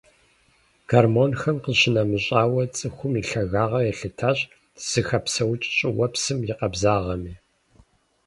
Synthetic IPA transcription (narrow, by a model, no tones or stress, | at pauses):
ɡ̥armonxɐmqəɕɪnɐmɨɕʼaːwɐt͡sʼɨxʷʊmiɬɐɣaːʁɐjɛɬɨtʰaɕʼ | z̥ɨxɐpsɐwt͡ʃʼɕʼɪwɐpsɨmjɪqɐbzaːʁɐmiː